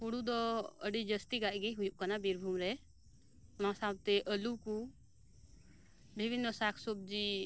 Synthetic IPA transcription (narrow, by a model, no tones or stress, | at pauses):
puɽud̪ɔəɖid͡ʒəst̪iɡaʔɡiɦujuʔkanabiɾbʱumɾɛ | ʊnasawt̪ɛʔəluku | bibʱinːəsakʰsob̚d͡ʒi